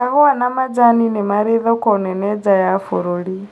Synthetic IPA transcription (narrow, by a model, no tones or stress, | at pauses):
aɦɔwanamad͡zaninɛmaɾeðɔkʼɔnɛnɛd͡zajafɔɾoɺi